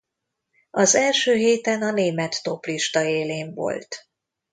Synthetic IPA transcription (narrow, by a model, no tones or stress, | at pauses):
ɒzɛlʃøːɦeːt̪ɛnɒneːmɛt̪ːo̞pliʃt̪ɒeːleːɱvo̰lt̪